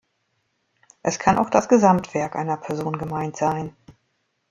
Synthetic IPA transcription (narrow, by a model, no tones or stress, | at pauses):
ʔɛskʰana̰ʊxd̥asɡ̥əzamtv̥ɛɐkʔa̰ɪnɐpʰɛɐzoːnɡəmaɪntz̥aɪn